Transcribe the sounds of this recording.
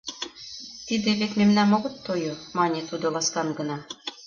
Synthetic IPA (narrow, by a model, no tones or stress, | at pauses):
t̪id̪eβet̪mʲemnæmŏɡɤ̆t̪ːojomɑnʲet̪ud̪ɤ̆lˠɑskɑnɡɤ̆nɑ